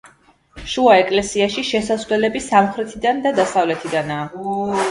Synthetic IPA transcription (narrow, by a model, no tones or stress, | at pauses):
ʃuaɛkʼlɛsiaʃiʃɛsasvlɛlɛbisamχɾɛt̪ʰid̪and̪ad̪asavlɛt̪ʰid̪anaː